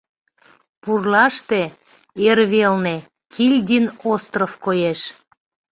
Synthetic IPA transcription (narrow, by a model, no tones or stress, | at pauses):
purlɑʃt̪e | erβelne | kʰilʲd̪ʲinost̪rofkojeʃ